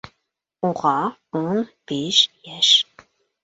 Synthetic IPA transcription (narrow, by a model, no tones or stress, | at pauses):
uʁɑː | unb̥eʃjɛʃ